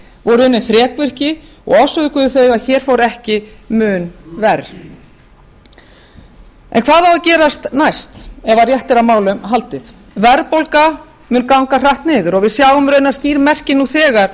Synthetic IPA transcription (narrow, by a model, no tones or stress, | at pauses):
vɔɾʏnːɪnθɾjɛːkvʏr̥cɪ | ɔ̰ɣɔsvʏðʏkʏðʏθœːɥɣaðçɛːɾ̥fowɾɛhcɪmʏːnvɛɾ | ɛ̰nkʰv̥aːðawacɛːɾast̪najst̪ɛvarjɛht̪ɪɾamaːwlʏmɦalt̪ɪθ | vɛɾpolka | mɪnkawŋkar̥aht̪nɪːðʏɾɔɣvɪðsjaːɣʏmɾœːɥnasciːɾmɛr̥cɪnuθɛːɣaɾ̥